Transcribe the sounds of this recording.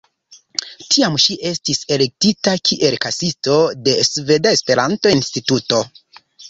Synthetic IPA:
tʰiamʃiʔe̞stise̞le̞k̚titakʰiʔe̞lkasisto̞de̞sve̞dae̞spe̞ɾanto̞instituto̞

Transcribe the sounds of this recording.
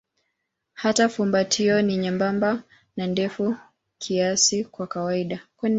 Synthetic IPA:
hatafumbatʰiɔniɲambamba | nandɛfu | kʰiasikwakawaiɗakwɛn

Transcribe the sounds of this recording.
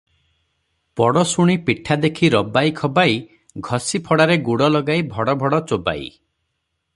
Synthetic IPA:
pɔɽɔsuɽ̃ipiʈʰːad̪ekʰiɾɔbajkʰɔbaj | ɡʱɔsipʰɔɽaɾeɡuɽɔlɔɡajbʱɔɽɔbʱɔɽɔt͡ʃoba̰ḭ

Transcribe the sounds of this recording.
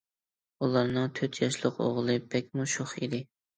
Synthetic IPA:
ulˠɑɾnɨŋt̪ʰøt̪ʰjɑʃlˠəqo̰ʁlˠɨbɛk̚ʲmuʃʊχḭd̪ɪ

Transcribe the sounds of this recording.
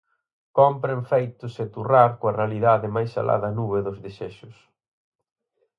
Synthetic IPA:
kɔmpɾeɱfejt̪ʊset̪uraɾkoɐrealiðaðɪmajsa̰lʔa̰ðɐnuβeðʊzðeseʃʊs

